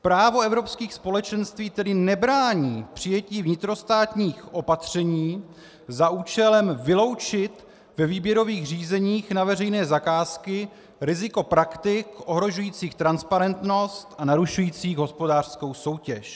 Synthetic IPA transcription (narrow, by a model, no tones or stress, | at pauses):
pɾaːvo̞ɛvɾo̞pskiːxspo̞lɛt͡ʃɛnst̪viːt̪ɛdɪnɛbɾaːɲiːpr̝̥ɪjɛciːvɲɪt̪ɾo̞st̪aːt̪ɲiːxʔo̞pat̪r̝̥ɛɲiː | zaʔuːt͡ʃɛlɛmvɪlo̞wt͡ʃɪt̪ | vɛviːbjɛɾo̞viːxr̝iːzɛɲiːxnavɛrɛjnɛːzakaːskɪ | ɾɪzɪko̞pɾakt̪ɪkʔoɦɾo̞ʒujiːt͡siːxt̪ɾanspaɾɛnt̪no̞st̪ʔanaɾuʃujiːt͡siːɣɦo̞spo̞daːr̥sko̞wso̞wcɛʃ